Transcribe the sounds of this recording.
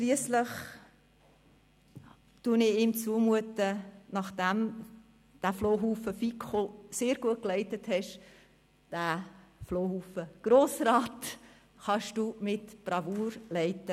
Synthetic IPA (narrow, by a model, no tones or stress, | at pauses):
ʃliəsləχ | tuːnɪiːmt͡suəmuətənɑχd̥æm | d̥æfloːɦuːfəfikχoseːɾɡ̥uət̚klɛɪtəthɛʃ | d̥æfloːhuːfəɡ̥ɾoːsɾɑːt | χɑʃd̥uːmɪtb̥rɑvuːɾlɛɪtə